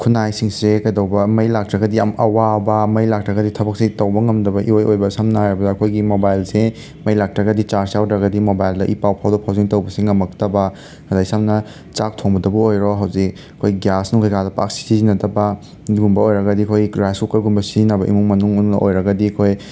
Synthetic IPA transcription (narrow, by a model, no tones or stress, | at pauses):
kʰunajsiŋsɾekɐjdɐwbɐmɐjlak̚tɾɐɡɐdiɐmɐwabɐmɐjlak̚tɾɐɡɐditʰɐbɐk̚sitɐwbɐŋɐmdɐbɐʔiojojbɐsɐmnaaɾɐbɐdaːkʰojɡimobajlse | mɐjlak̚tɾɐɡɐdit͡ʃaɾsjawdɾɐɡɐdimobajldɐʔipawpʰawdɐpʰawziŋtɐwbɐsiŋːɐmɐktɐbɐ | ɐdajsamnɐ | t͡ʃak̚tʰoŋbɐdɐbuojɾoɦawzik̚ | ɐkʰojɡjasnuŋkʰajkadɐpa̰k̚si̥zizinɐdɐbɐ | ɡumbɐojɾɐɡɐdiɐkʰojɾajskukɐɾɡumbɐsizinɐbɐʔḭmuŋmɐnuŋunnɐʔojɾɐɡɐdikʰoj